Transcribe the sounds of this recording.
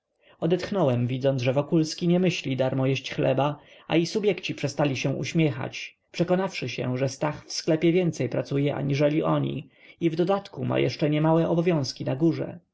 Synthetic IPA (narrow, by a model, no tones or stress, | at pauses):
ɔd̪ɛt̪xnɔwɛmvʲid̪zɔnʐɛvɔkulskʲiɲɛmɘɕlʲid̪aɾmɔjɛɕt͡ɕxlɛbaa̰isubʲjɛkt͡ɕipʂɛst̪alʲiɕɛ̃ʔṵɕmʲjɛxa̰t͡ɕ | pʂɛkɔnafʂɘɕɛ̰ʐɛst̪axfsklɛpʲjɛvʲjɛnt̪sɛjpɾat̪sujɛʔa̰ɲiʐɛlʲiʔɔɲḭ | ivd̪ɔd̪at̪kuma̰jɛ̰ʂt͡ʂɛɲɛmawɛɔbɔvʲjɔ̃w̃skʲinaɡuʐɛ̰